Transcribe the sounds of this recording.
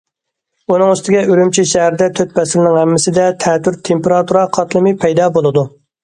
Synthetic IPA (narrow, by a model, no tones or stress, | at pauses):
unɨŋyst̪ɪɡʲɛyɾymt͡ʃʰiʃæɦæɾɪd̪ɛt̪ʰøt̪̚pɛsɪɾɪnɪŋhɛmːɪsɪd̪ɛt̪ʰɛːt̪yɾt̪ʰempeɾɑt̪ʰuɾɑqʰɑt̪lˠɨmɪpʰɛjd̪ɑːbolˠɨd̪u